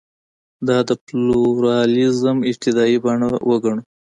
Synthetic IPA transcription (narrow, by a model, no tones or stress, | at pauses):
d̪ɑd̪əpluɾɑlizəmɪd͡ʒt̪ɪd̪ɑibɑɳawʔəɡaɳu